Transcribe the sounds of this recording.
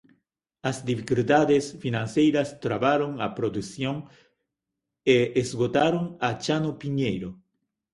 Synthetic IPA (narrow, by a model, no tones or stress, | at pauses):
azd̪ifikuld̪aðesfinãnsejɾast̪ɾaβaɾoŋapɾod̪usjoŋ | eezɣot̪aɾoŋat͡ʃanopiɲejɾo